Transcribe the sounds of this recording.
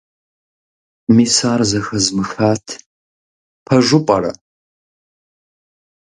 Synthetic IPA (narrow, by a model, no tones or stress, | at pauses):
miːsaːrzɐxɐzmɨxaːtʰ | pʰɐʒʷʊpʼɐɾɐ̰